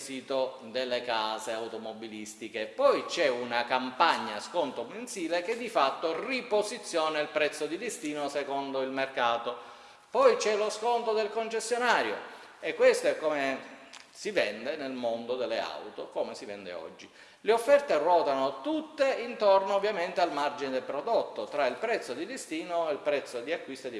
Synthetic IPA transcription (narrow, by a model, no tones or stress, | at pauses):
sit̪o | d̪elːekaːzeawt̪omobilist̪ikepɔjt͡ʃɛunakampaɲːa̰skɔnt̪oment̪siːleked̪ːifat̪ːoripozit̪sːjɔːnailpɾɛt̪sːod̪id̪est̪iːnosɛkond̪oilmerkaːt̪o | pɔjt͡ʃɛloskont̪od̪elkont͡ʃesːjonaːɾjo̰ | ekːwest̪oɛkːomesivɛnd̪enelmond̪od̪elːea̰wt̪okomesivɛ̰nd̪ḛɔ̰d͡ʒːi | leofːɛrt̪erwɔːt̪anot̪ut̪ːeint̪ornoːvːjament̪ealmard͡ʒined̪elpɾod̪ot̪ːot̪ɾailpɾɛt̪sːod̪id̪est̪iːnoelpɾɛt̪sːod̪iakːwist̪ad̪i